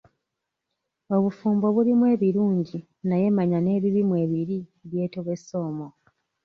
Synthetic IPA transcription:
o̞βufuːmbo̞βulimwe̞ːβiɾuːɲɟi | naje̞maɲane̞ːβiβimwe̞ːβiɾieβje̞ːtoβwe̞sːo̞ːmo

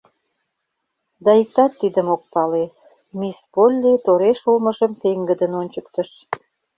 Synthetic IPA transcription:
d̪ɑik̚t̪ɑt̪ːid̪əmok̚pɑle | mispolʲːit̪oɾeʃulməʒəmt̪eŋɡə̆d̪ənonʲt͡ɕəkt̪əʃ

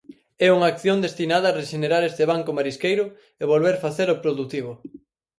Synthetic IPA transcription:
ɛuŋaːkθjond̪est̪inað̞ɐːreʃeneɾaɾest̪eβaŋkʊmaɾiskejɾʊ | eβolβeɾfaθeɾopɾoðut̪iβʊ

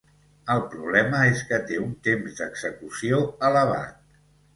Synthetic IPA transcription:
əlˠpɾuβlɛməeskət̪eunt̪emzd̪əɡz̥əkusioələβ̞a̰t̪̚

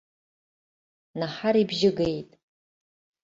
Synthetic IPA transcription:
naħaɾibʒɪɡe̞jtʼ

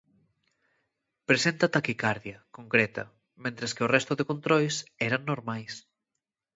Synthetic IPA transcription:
pɾesent̪ɐt̪akikaɾðjɐkoŋkɾɛt̪ɐ̰ | mẽnt̪ɾeskɪorɛst̪ʊðekont̪ɾojsɛɾɐŋnːoɾmajs

